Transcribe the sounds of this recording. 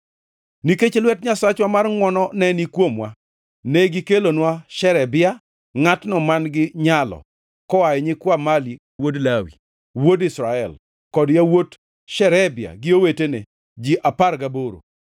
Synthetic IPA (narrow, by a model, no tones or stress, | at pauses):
niket͡ʃelwɛtɲasat͡ʃwamarŋwɔnɔnɛnikwomwa̰ | nɛɡɪkelonwaʃɛɾɛbɪa | ŋatnɔmanɡɪɲalɔ̰ | kɔajɛɲɪkwamali | wodlawḭ | wodɪsɾaɛl | kɔdjawot | ʃɛɾɛbɪa̰ɡɪowetene | d͡ʒiʔapaɾɡaboɾo̰